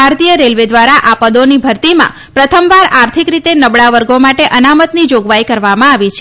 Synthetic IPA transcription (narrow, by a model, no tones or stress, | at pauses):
aɾt̪ijəɾelʋed̪ʋaɾaʔapəd̪onibʱəɾt̪imã̰ | pɾət̪ʰəmʋaɾaɾt̪ʰikɾit̪enəbɭaʋəɾɡomaʈeʔənamət̪nid͡ʒoɡʋaikəɾʋamãaʋit͡ʃʰe